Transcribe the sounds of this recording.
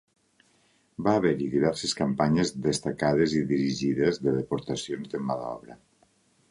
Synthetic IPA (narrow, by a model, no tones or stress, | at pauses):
baːβeɾiðiβɛɾseskampaɲezðest̪akað̞eziðiɾiʒiðezðəðepoɾt̪asjonzðəmaðɔ̰βɾə